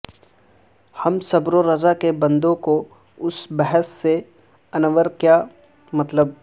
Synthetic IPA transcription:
hɐmsɐbɾoɾɐzakebɐ̃nd̪õko | ʊsbɛɦəsːe | ɐnəʋəɾkja | mɐt̪ləb̚

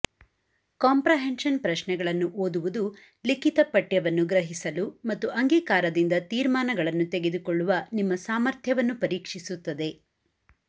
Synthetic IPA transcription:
kaːmpɾɐɦenʃɐnpɾɐʃnɛɡɐɭɐnːuʔoːd̪uʋud̪u | likit̪ɐpɐʈjɐʋɐnːuɡɾɐɦisɐlumɐt̪ːuʔɐŋɡiːkaːɾɐd̪ind̪ɐt̪iːɾmaːnɐɡɐɭɐnːut̪eɡe̞d̪ukɔɭːuʋɐnimːɐsaːmɐɾt̪ʰjɐʋɐnːupɐɾiːkʂisut̪ːɐd̪e̞

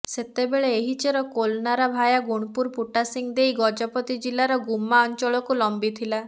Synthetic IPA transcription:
set̪ebeɭeːɦit͡ʃʰeɾɔkolnaɾɔbʱajaɡuɽ̃puɾpuʈasiŋd̪ejɡɔd͡ʒɔpɔt̪id͡ʒilaɾɔɡumːaɔnt͡ʃɔɭɔkulɔmbit̪ʰila

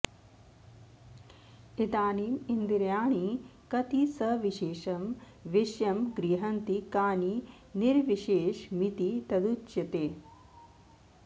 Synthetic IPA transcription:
it̪aːniːmind̪iɾjaːɳikɐt̪isɐʋiʃeːʃɐm | ʋiʃjɐmɡɾiɦɐnt̪ikaːni | niɾʋiʃeːʃmit̪it̪ɐd̪ut͡ʃjɐt̪eː

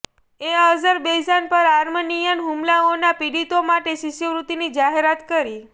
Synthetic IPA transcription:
eɦəzəɾbejd͡ʒanpəɾaɾmənijənɦumlaonapiɽit̪omaʈesiʃjəʋɾut̪inid͡ʒaɦeɾat̪kəɾi

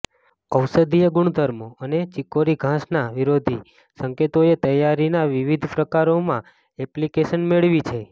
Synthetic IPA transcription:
əwsəd̪ʱijəɡʊɳ̃d̪ʱəɾmoənet͡ʃikoɾiɡʱãsnaʋiɾod̪ʱi | səŋket̪oet̪əjaɾinaʋiʋid̪ʱpɾəkaɾomã | ɛplikeʃənmeɭʋit͡ʃʰe

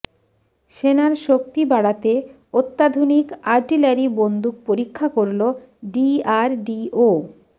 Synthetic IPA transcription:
ʃenaɾʃok̚t̪ibaɽat̪e | ot̪ːad̪ʱonikaɾʈilaɾibond̪uk̚poɾikʰːakoɾlo | ɖiaɾɖio

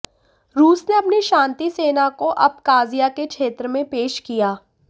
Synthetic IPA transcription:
ɾuːsneɐpniʃãːnt̪iseːnakoʔɐb̚kaːzijakekʃeːt̪ɾəmẽpeːʃkijaː

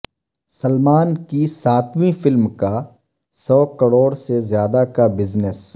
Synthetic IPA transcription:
səlmaːnkisaːt̪ʰmĩfɪlmka | sɔːkəɽoːɽsezjaːd̪akabɪznes

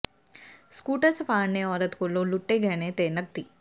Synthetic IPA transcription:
skuːʈəsəpaːɳneɔːɾət̪koːlõlʊʈːeɡʱɛːɽ̃et̪eːnək̚t̪iː

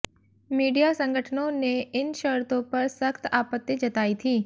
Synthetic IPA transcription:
miːɖijasə̃ŋɡʱəʈʰnõneɪnʃəɾt̪õpɐɾsəxt̪aːpət̪ːjed͡ʒɐt̪aːit̪ʰiː

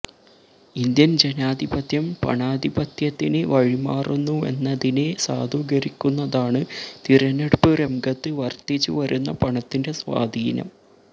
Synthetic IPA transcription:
ind̪jɐnd͡ʑenaːd̪ʱibɐt̪ʰjɐmpɐ̰ɳaːd̪ʱibɐt̪jɐt̪ːineʋɐɻimaːrunːue̞̰nːɐðine̞sa̰ːd̪ʱuːɡɐɾikʲːunːɐðaːɳɨt̪iɾɐneɽpɨremɡɐt̪ːɨʋɐrt̪it͡ɕːṵʋɐɾunːɐpɐɳɐt̪ːinde̞sʋa̰ːd̪ʱiːnɐ̰m

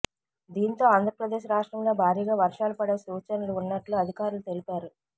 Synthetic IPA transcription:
d̪iːnt̪o̞ːaːnd̪ʱɾɐpɾɐd̪e̞ːʃɾaːʂʈɾɐmlo̞ːbʱaːɾiːɡaːʋɐɾʂaːlupɐɽeːsuːt͡ʃɐnɐluunːɐʈluɐd̪ʱikaːɾulut̪e̞lipaːɾu

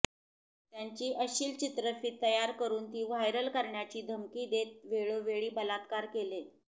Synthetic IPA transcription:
t̪jaɲt͡ɕiːʔəɕiːlt͡ɕit̪ɾəfiːt̪ːəjaɾkəɾuːnt̪iːʋajɾəlkəɾɳjat͡ɕiːd̪ʱəmkiːd̪et̪̚ʋeɭoʋeɭiːbəlat̪kaɾkele

